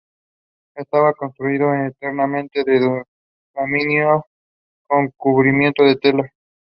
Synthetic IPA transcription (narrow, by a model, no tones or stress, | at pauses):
est̪aβako̞nst̪ɾuiðoenet̪eɾnamẽ̞nt̪eðeð | ðomĩnjo | ko̞ŋkuβɾimje̞nt̪oðet̪ela